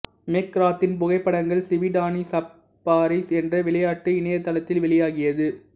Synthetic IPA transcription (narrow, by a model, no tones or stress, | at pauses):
mekːɾaːt̪ːɪnpʊɣɐɪpːɐɽɐŋɡɐɭsɪʋɪɖaːnisɐpː | aːɾisɛndrɐʋɪɭɐjaːʈːɯɪnɐjɐt̪ːɐlɐt̪ːɪlʋɛɭɪjaːɣɪjɐðɯ